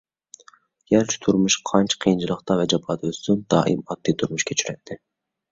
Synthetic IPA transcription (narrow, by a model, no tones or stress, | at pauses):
j̥æɾt͡ʃʰi̥t̪ʰuɾmʊʃqʰɑnt͡ʃʰqʰijnt͡ʃʰɨlˠəqt̪ɑvɛd͡ʒɑbɑːd̪øst̪ynd̪̥ɑ̰ːʔḭmɑd̪̥ːijt̪ʰuɾmuʃkʲʰɛt͡ʃʰyɾɛt̪ʰːɪ